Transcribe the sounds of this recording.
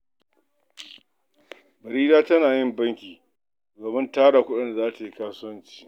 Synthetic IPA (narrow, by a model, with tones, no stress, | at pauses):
bɐ˨ɾiː˦daː˦tɐ˦naː˨jɪ˦mbɐ˦ŋkʲiː˨ | doː˨mɪ˦ntaː˦ɽaː˨kʷʊ˦ɗɪ˦nda˨zaː˦ta˨ji˦kaː˦sʊ˦wɐ˦nt͡ʃi̥ː˨